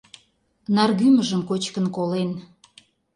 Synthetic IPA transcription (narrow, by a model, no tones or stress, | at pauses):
nɑrɣyməʒəmkot͡ɕkənkolen